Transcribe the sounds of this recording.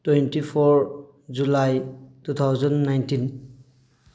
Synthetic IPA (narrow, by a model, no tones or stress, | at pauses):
twentipʰɔɾ | d͡ʒulajtut̪ʰawzɔnːajntin